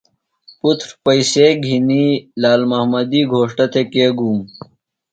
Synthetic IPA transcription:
put̪ʰɾpəiseːɡʱinilaːlmɐɦmɐd̪iːɡʱoːʂʈɐt̪ʰekeːɡuːm

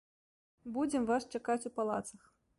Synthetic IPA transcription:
bud͡zʲɛmvaʂt͡ʂakat͡sʲupalˠa̰t̪sɐx

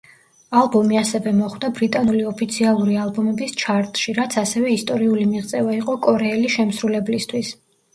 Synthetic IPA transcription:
alˠbɔmiasɛvɛmɔχwd̪abɾit̪ʼanuliɔpʰit̪sʰialˠuɾialˠbɔmɛbist͡ʃʰaɾt̪ʼʃiɾat̪sʰasɛvɛist̪ʼɔɾiulimiʁt̪sʼɛvaiqʼɔkʼɔɾɛɛliʃɛmsɾulɛblist̪ʰwis

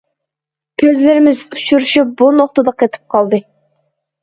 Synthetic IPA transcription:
kʲʰøzlɪɾɪmɪzyt͡ʃʰyɾuʃyp̚bunoqt̪əd̪ɑqʰet̪ʰɪ̥p̚qʰɑlˠd̪ɨ

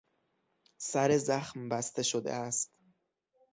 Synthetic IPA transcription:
sæɾe̞zæxmbæst̪e̞ʃod̪ḛæst̪

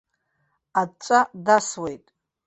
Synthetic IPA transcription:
at͡ʃʷʼadaswe̞jtʼ

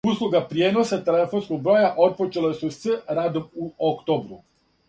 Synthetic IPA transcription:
uslˠuɡapɾje̞ːno̞sat̪ele̞fo̞nskoɡ̚bɾo̞jaʔo̞t̪̚pot͡ʃelesusəɾaːd̪o̞muokt̪o̞ːbɾu

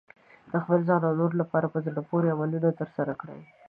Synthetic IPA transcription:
d̪̥əxpəlzɑnawnoɾolapɑɾapəzɽapoɾeamalunat̪əɾsaɾakɽa̰j

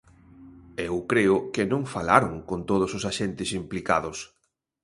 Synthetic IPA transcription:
ewkɾeʊkɪnõŋfalaɾoŋkont̪oð̞ʊsosaʃent̪ɪsimplika̰ðʊs

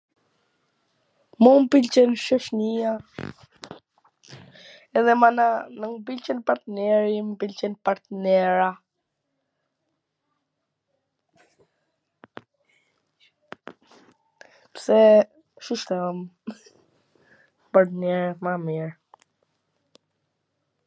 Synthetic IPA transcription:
mumpilt͡ʃɛnʃəʃnia | ɛðɛmananəŋp̬ilt͡ʃɛnpaɾt̪nɛɾimpilt͡ʃɛnpaɾt̪nɛɾa | psɛ | ʃuʃt̪ɔm | paɾt̪ənɛɾmamiɹ

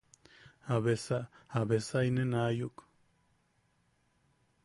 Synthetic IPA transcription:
aβesaaβesainenajuk

